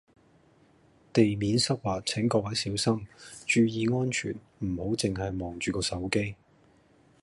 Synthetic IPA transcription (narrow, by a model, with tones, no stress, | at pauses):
t̪e˨jmiː˨˥nsɐ˥k̚waː˨t͡sʰɪ˨˥ŋkɔː˧k̚wɐ˨˥jsiː˨˥wsɐ˥mt͡ʃyː˨jiː˨˧ŋɔː˥nt͡ʃʰy̰ː˨˩n | m̩˨˩ho˨˥wt͡sɪ˨ŋɦɐ˨jmɔː˨ŋt͡ʃyː˨˩kɔː˧sɐ˨˥wke˥j